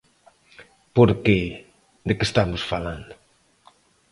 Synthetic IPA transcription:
poɾke | d̪ekest̪amusfaland̪

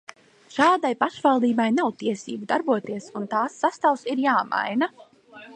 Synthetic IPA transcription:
ʃaːd̪ajpaʃvalˠd̪iːbajnawt̪iɛsḭːbud̪aɾbuɔt̪iɛsunt̪aːsːast̪awsiɾjaːma̰jna

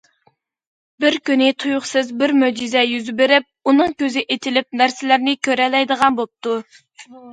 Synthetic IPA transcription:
bɪɾkʲynɪt̪ʰujʊχsɨzbɪɾmød͡ʒizɛjyzbeɾɪp̚unɨŋkʲøzɪʔet̪ʰɪlɪp̚næɾsɪlæɾnɪkʲøɾɛlɛjd̪əʁɑnbop̚t̪u

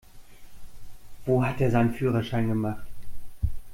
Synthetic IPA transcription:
v̥oːɦateːɐzaɪnənfyːʁɐʃaɪnɡəmaχt

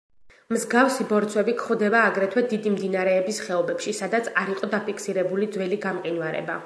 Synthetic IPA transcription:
mzɡafsibɔɾt̪sʰwɛbikʰχwd̪ɛbaːɡɾɛt̪ʰwɛd̪id̪imd̪inaɾɛːbisχɛɔbɛpʃisad̪at̪sʰaɾiqʼɔd̪apʰikʰsiɾɛbulid̪zwɛliɡamqʼinwaɾɛ̰ba

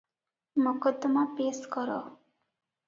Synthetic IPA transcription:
mɔkɔt̪ːɔmapeːskɔɾɔ̰

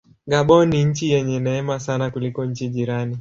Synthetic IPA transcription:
ɡaɓɔniɲ̩t͡ʃijɛɲɛnɛɛmasanakulikɔɲ̩t͡ʃiʄiɾani

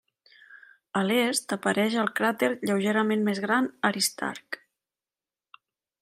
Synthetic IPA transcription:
əlest̪əpəɾɛʒəlˠkɾat̪eɾʎəwʒeɾəmenmezɣɾanəɾist̪a̰ɾk

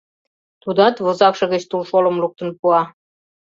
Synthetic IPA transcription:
t̪ud̪ɑt̪βŏzɑkʃɤ̆ɣə̆t͡ɕt̪ulʃolə̆mluk̚t̪ə̆npuɑ

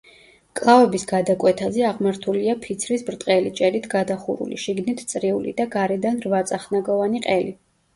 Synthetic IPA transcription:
kʼlˠavɛbisɡad̪akʼwɛt̪ʰazɛaʁmaɾt̪ʰuliapʰit̪sʰɾisbɾt̪ʼqʼɛlit͡ʃʼɛɾit̪ʰɡad̪aχṵɾṵlḭʃiɡnit̪ʰt̪sʼɾiulḭd̪aɡaɾɛd̪anɾvat̪sʼaχnaɡɔvaniqʼɛli

